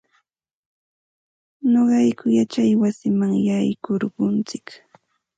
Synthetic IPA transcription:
noɢɑjkʊjat͡ʃajwasɪmaŋjajkoɾɢʊnt͡sɪ̥k

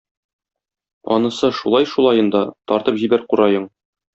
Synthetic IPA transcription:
ɒ̰nɤ̆sɤʃulˠɑjʃulˠɑjɤ̆nd̪ɑt̪ɒɾt̪ɤpʑibæɾquɾɑjɤɴ

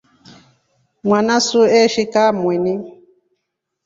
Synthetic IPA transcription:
mwanasuɛʃikamwɛni

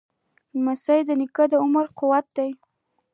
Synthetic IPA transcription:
masajd̪ənɪkəd̪əʊməɾqʊwat̪̚d̪aj

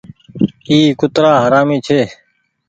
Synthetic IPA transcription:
iːkʊt̪ɾaːɦəɾaːmiːt͡ʃʰeː

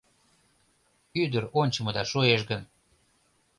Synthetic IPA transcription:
yd̪əɾonʲt͡ɕə̆mə̆d̪ɑʃoeʃ̬ɡən

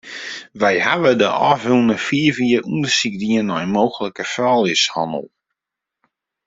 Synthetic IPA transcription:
ʋɛjhaʋədəʔɔfulˠnəfiəviərʔundəsikdiənːɔjmoːxələkəfɔlˠɪshɔ̰nə̰lˠ

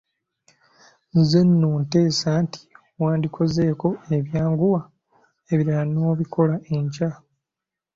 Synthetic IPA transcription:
nzenːuːnte̞ːsanti̥ | waːndikʰo̞zeːko̞e̞βjaːŋɡuwa | eβiɾaano̞ːβikʰo̞laʔe̞ɲca

